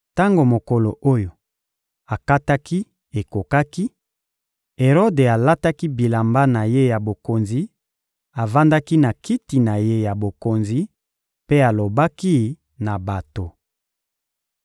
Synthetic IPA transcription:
ta˦ŋɡo˨mo˨ko˨lo˨ʔo˦jo˨ | a˨ka˦ta˦ki˦ | e˨ko˨ka˦ki˦ | e˨ʁo˦de˨a˨la˦ta˦ki˦bi˨la˨mba˦na˨je˦ja˨bo˨ko˨nzi˦ | a˨va˦nda˦ki˦na˨ki˦ti˨na˨je˦ja˨bo˨ko˨nzi˨ | pe˦a˨lo˨ba˦ki˦ | na˨ba˨to˨

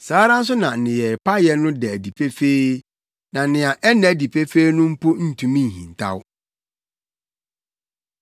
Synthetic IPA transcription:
saː˦ɾã˦n̩˦s̬ʊ˦nã˨nɪ̃˨jɛ˨pa˦jɛ˦nʊ̃˦dɛ˨æ˨di˨pʰe˦fe˦ | nã˨nɪ̃˨a˨ʔɛ˦nɛ̃˨di˨pʰe˦fe˦i˦nʊ̃˦m̩˦pʰo˦n̩˦tʰũ˨mĩ˦ŋ˨hḭ̃˨n˨tʰa̰˦w

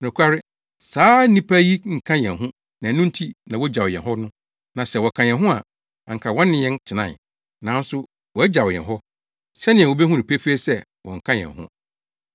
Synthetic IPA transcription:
nʊ̃˨kʷʰa˦ɾɪ˦ | saː˦nĩ˦pʰa˦ji˦ŋ̩˨kʰã˦jɛ̃˨nɦʊ̃˦ | nã˨˦nʊ̃˦n̩˦tʰi˦nã˨wɔ˦d͡ʑa˨wjɛ̰̃˨ɦɔ˦nʊ̃˦ | nã˨sɛ˨wɔ˨kʰã˨jɛ̃˨nɦʊ̃˦a̰˨ | a˨ŋ̩˨kʰa˨wɔ̃˦nː˦ɪ̃˦jɛ̃˦nt͡ɕʰɪ˨nã̰˦˨n | nã˨˦n̩˦sʊ˦ | wɔ˨æ˦d͡ʑa˨wjɛ̰˨nɦɔ˦ | sɛ˦nɪ̃˨ɛ̃˨o˨be˦ɦũ˦nĩ˨pʰe˦fe˦sɛ˦˨ | wɔ̰̃˨ŋ̩˨kʰã˦jɛ̰̃˨ɦʊ̰̃˦

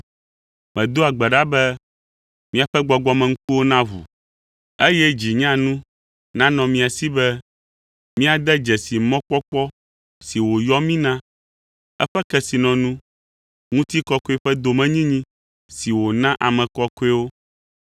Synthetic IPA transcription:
mɛ̃˨d̪o˦a˨ɡ͡bɛ˨ɖa˦bɛ˦ | mĩ˦a˨ɸɛ˦ɡ͡bɔ˨ɡ͡bɔ˦mɛ̃˨ŋ̩˦ku˦wo˦nã˦vṵ˨ | e˦jɛ˦d͡ʑi˨ɲã˦nũ˦ | nã˦nɔ̃˨mĩ˨a˨si˦bɛ˦ | mĩ˦a˨d̪ɛ˦d͡ʒɛ˨si˨mɔ̃˦k͡pɔ˦k͡pɔ˦ | si˨wo˨jɔ˦mĩ˦nã˦ | ɛ̰˦ɸɛ˦kɛ˦si˨nɔ̃˨nũ˦ | ŋũ˦t̪i˦kɔ˦ko˦ɛ˦ɸɛ˦d̪o˨mɛ̃˦ɲĩ˦ɲĩ˦ | si˨wo˨nã˦ʔa˨mɛ̃˨kɔ˦ko˦e˦wo˦

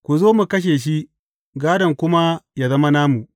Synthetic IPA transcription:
kʷu˨zoː˦mu˨kɐ˦ʃ̬eː˨ʃ̬i˦ʔ | ɡaː˦dɐ˨ŋkʷʊ˦ma˦ja˨zɐ˦ma˦naː˦mu˨ʔ

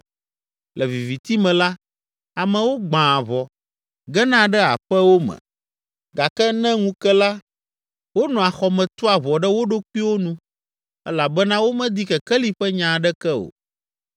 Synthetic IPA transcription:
lɛ˨vi˨vi˨t̪i˦mɛ̃˨la˦ | a˨mɛ̃˨wo˦ɡ͡bã˨vɔ˨ | ɡɛ˦nã˦ɖɛ˦a̰˨ɸɛ˦wo˦mɛ̰̃˨ | ɡa˨kɛ˦nɛ̃˦ŋũ˦kɛ˦la˦ | wo˦nɔ̃˨a˨xɔ˨mɛ̃˨t̪ɔ˦a˨βɔ˨ɖɛ˦wo˦ɖo˦k͡pi˦wo˦nũ˦ | ɛ˦la˨bɛ˦nã˦wo˦mɛ̃˦d̪i˦kɛ˨kɛ˦li˦ɸɛ˦ɲã˨ɖɛ˦kɛ˦o̰˨

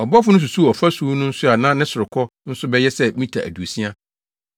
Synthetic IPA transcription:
ɔ˨bɔ˦fʊ˦nʊ̃˦s̬u˨su˦˨ɔ˨fa˦suː˦nʊ̃˦n̩˦sʊ˦a˨nã˦nɪ̃˦sʊ˨ɾɪ˨kʰɔ˦n̩˦sʊ˦bɛ˦jɛ˦sɛ˦mĩ˦tʰa̰˨ʔæ̰˨du˨o˨sĩ˦a˦

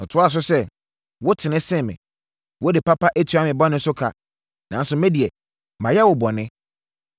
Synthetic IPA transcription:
n̩˨tʰʊ˦a˦˨s̬ʊ˦sɛ˦ | wʊ˦tʰɪ˨nɪ̃˦sɪ̃˦mɪ̰̃˨ | wɔ˦dɪ˨pʰa˦pʰa˦ʔe˦tʰu˨a˦mɪ̃˨bɔ˦nɪ̃˦sʊ˦kʰa˨ | nã˨n˦sʊ˦mɛ̃˦di˨ɛ˨ | mã˨jɛ˦wʊ˨bɔ˨nɪ̃˦

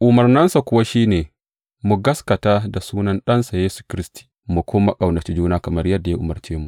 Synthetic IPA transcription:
ʔʊ˨mɐ˨rnɐ˦nsa˨kʷʊ˦wa˦ʃiː˦neː˨ | mu˨ɡɐ˦skɐ˨taː˦da˨suː˦nɐ˦nɗɐ˦nsa˨jeː˦su̥˨kʲɪ˦ɾɪ˦sti̥ː˨ | mu˨kʰʷoː˦ma˦kʼa˨wnɐ˨t͡ʃi˦d͡ʒuː˦naː˦kɐ˨mɐ˦rjɐ˦dːa˨ja˦ʔʊ˨mɐ˨rt͡ʃeː˦mu˨ʔʔ

